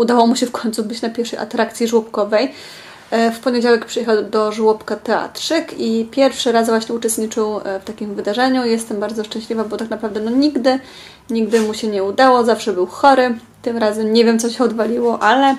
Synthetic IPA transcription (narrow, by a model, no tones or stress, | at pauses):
ud̪awɔmuɕɛfkɔɲʲt̪subɘt͡ɕnapʲjɛɾfʂɛjʔa̰t̪ɾakt̪sʲjiʐwɔpkɔvɛj | fpɔɲed͡ʑawɛk̚pʂɨjɛxawd̪ɔʐwɔpkat̪ɛa̰t̪ʂɘkipʲjɛɾfʂɘɾasvwaɕɲɛut͡ʂɛst̪ɲit͡ʂɘwft̪akʲimvɘd̪aʐɛɲujɛst̪ɛmbaɾd̪zɔʂt͡ʂɛ̃ɕlʲivabɔt̪aknapɾavd̪ɛnɔɲiɡd̪ɘ | ɲiɡd̪ɘmuɕɛɲɛud̪awɔzafʂɛbɘwxɔɾɘ | t̪ɘmɾazɛmɲɛvʲjɛmt̪sɔɕɛɔd̪valʲiwɔʔalɛ